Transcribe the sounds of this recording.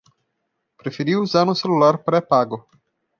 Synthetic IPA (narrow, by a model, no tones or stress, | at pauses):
pɾefeɾiuzanuselulaɾpɾepaɡo